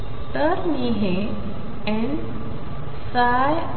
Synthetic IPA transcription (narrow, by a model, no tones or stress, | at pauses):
t̪əɾniɦe | ɛ̃n | saj